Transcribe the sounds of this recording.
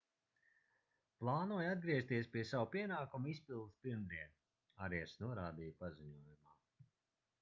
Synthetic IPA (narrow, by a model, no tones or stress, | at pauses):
plˠɑːnuɔjad̪̚ɡɾiɛst̪iɛspiɛsawpiɛnaːkumispilˠd̪spiɾmd̪iɛn | aɾɛɛsnuɔɾaːd̪iːjpaziɲuɔjumaː